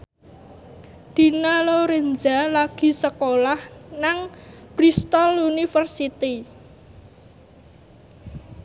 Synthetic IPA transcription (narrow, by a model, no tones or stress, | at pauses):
d̪̥i̤naloɾend͡ʒalaɡ̥i̤səkolahnaŋpɾist̪ɔlunifərsit̪i